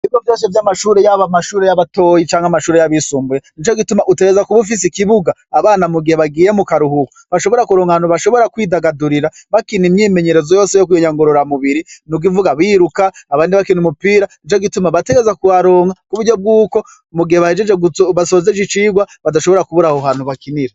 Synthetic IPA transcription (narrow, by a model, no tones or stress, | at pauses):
ivjovjo̞ːʃ̬evjamaʃuːɾejaβamaʃuːɾejaβato̞ːjit͡ʃaːŋhamaʃuːɾejaβisuːmbujenint͡ʃo̞ɡitumaʔute̞ɡezakuβuf̬is̬ikiβuɡaːβaːnamuɡiheβaɡiːje̞mukaɾuhukuβaʃo̞βo̞ɾakuɾo̞ːŋanuβaʃo̞βo̞ɾakwiːdaɡaduɾiɾaβakinimɲiːme̞ɲe̞ɾezojoːse̞jok̬ujoɲaŋɡoɾoɾamuβiɾinuɡivuɡaβiɾukaːβaːndiβakinumupiːɾanit͡ʃoɡitumaβate̞ɡezakuwaɾoːŋakuβuɾɟo̞b̚ɡuːko̞ | muɡiheβahe̞d͡ʒed͡ʒeɡuβaso̞zed͡ʒit͡ʃiːɡwaβadaʃoβo̞ɾakuβuɾahoɦaːnhuβakiniɾe